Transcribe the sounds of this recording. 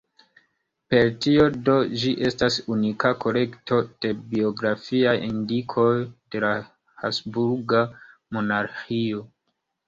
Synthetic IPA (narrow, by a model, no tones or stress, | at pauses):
pe̞ɾtio̞do̞d͡ʒiʔe̞stasunikako̞le̞kto̞d̥e̞bio̞ɡɾafiajindikʰo̞jd̥e̞la | hasbuɾɡa | mo̞naɾxio̞